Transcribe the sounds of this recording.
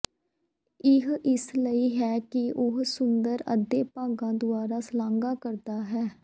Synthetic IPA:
ɪɦɪsləiːɦɛːkɪʔʊɦsʊnd̪əɾə̰d̪ːeːpãːɡãːd̪ʊaːɾaːslãːŋɡaːkəɾd̪aːɦɛː

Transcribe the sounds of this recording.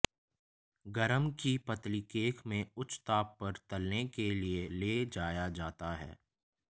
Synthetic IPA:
ɡɐɾəmkipɐt̪likeːkmẽʊt͡ʃːt̪aːpːɐɾt̪ɐlnekelieleːd͡ʒaːjad͡ʒaːt̪aɦɛ̰ː

